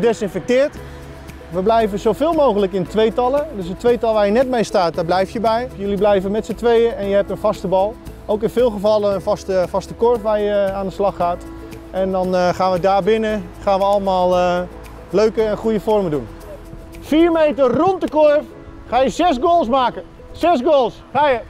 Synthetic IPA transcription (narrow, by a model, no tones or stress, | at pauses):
dɛsɪnfɛk̚tɪːɹt | ʋəblɛjvəzowfɪːlˠmowɣələkɪntʋejtɑlˠədøs̬ətʋejtɑlˠʋaːɹjənɛt̚mejstaːt̚daːblɛjftjəbɛjjøliblɛjvənmɛtsətʋejəɛnjəɦɛp̚tənfɑstəbɑlˠowkɪnfɪːlˠχəfɑlˠəənfɑstəfɑstəkorfʋaːrjəaːndəslɑχaːt | ʔɛndɔnχaːnʋədaːɹbɪnə | χaːnʋəɑləmaːlˠə | løɥkəɛnχujəfɔrmədun | fiːɹmejtərɔntdəkoɹf | χaːjəzɛsɡoːlˠsmaːkə | sɛsɡoːlˠsχaːjə